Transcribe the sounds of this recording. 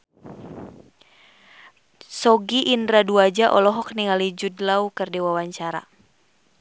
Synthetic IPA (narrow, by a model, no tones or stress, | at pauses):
sɔɡiʔindɾaduad͡ʒaʔɔlɔɦɔkniŋalid͡ʒudlaukɨrdɛwawaɲt͡ʃaɾa̰